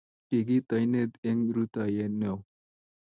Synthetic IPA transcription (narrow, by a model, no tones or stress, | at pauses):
kiɡit̪ɐjned̪eŋɾut̪ajenow